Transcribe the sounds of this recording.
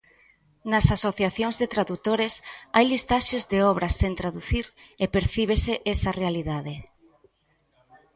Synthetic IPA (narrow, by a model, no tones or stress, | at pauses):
nɐsasoθjaθjoŋzðet̪ɾaðut̪oɾesajlist̪aʃezðeɔβ̞ɾɐsent̪ɾaðuθiɾ | epeɾθiβ̞eseʔesɐrealiðaðe